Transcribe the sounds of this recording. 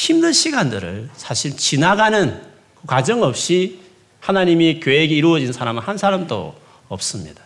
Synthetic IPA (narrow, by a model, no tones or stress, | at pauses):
çimnɯnɕʰiɡandɯɾɯ̰ɭsʰaɕʰiɭt͡ɕinaɡanɯn | kɯkwad͡ʑʌŋʌp̚ɕ͈i | hanaɲimikjoeɡe̞iɾuʌd͡ʑinsʰaɾamɯnhansʰaɾamdo̰ | ʌp̚s͈ɯmɲḭd̥ḁ